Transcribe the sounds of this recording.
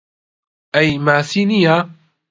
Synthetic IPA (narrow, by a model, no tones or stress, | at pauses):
ʔajmaːsiːnija